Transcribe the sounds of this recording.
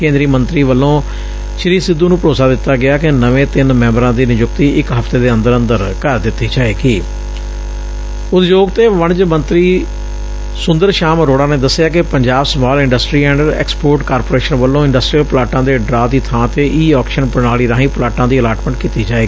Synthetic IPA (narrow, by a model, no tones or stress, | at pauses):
kẽːnd̪ɾiːmənt̪ɾiːʋəlːõː | ʃɪɾiːsɪd̪ːuːnũːpəɾoːsaːd̪ɪt̪ːaːɡɪaːkɪnəʋẽːt̪ɪnmɛ̃ːmbəɾãːd̪iːnɪjʊkt̪iːɪkɦəft̪eːd̪eːə̃nd̪əɾə̃nd̪əɾkəɾd̪ɪt̪ːiːd͡ʒaːeːɡiː | ʊt̪d͡ʒoːɡt̪eːʋəɳd͡ʒmə̃nt̪ɾiː | sʊ̃nd̪əɾʃaːmɾoːɽaːneːd̪əsːɪjaːkɪpəɲd͡ʒaːbsəmaːlɪ̃ɳɖəsʈɾiːɛ̃ːɳɖɛ̰ːkspoːɾʈkaːɾpoːɾeːʃənʋəlːõːɪ̃ɳɖəsʈɾijəlplaːʈãːd̪eːɖɾaːd̪iːt̪ʰãːt̪eːʔiːɔːkʃənpənaːliːɾãːɦiːplaːʈãːd̪iːəlaːʈməɳʈkiːt̪iːd͡ʒaːeːɡiː